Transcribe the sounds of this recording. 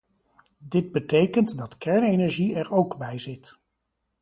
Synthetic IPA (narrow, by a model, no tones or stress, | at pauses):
dɪd̚bətejkəntdɑtkɛɹnejnɛɹʒiɛɹowkbɛjzɪt